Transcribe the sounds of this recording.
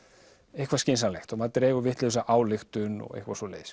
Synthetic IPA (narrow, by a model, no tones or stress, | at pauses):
ejhkʰvascɪnsalɛxt̪ɔmaðt̪ɾɛːɣʏvɪht̪lɪʏsaʔaːwlɪxt̪ʏnɔ̰ɣḛhkvasvɔlḛːjs